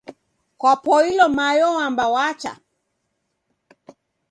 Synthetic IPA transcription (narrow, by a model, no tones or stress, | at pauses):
kwapɔilɔmajɔambawat͡ʃa̰